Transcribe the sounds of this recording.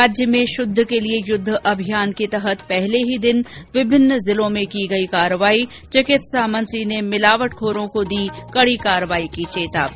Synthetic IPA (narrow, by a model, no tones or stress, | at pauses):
aːd͡ʒjəmẽʃʊd̪ʱːkeliejʊd̪ʱːʔɐbʱijaːnket̪ɐɦət̪pɛɦleɦid̪ɪnʋɪbʱɪnːzɪlõmẽkiɡɐikaːɾəʋaːi | t͡ʃɪkɪt̪saːmɐ̃nslinemɪlaːʋəʈ̚kʰoːɾõkod̪iːkɐɽikaːɾəʋaːikit͡ʃeːt̪a̰ː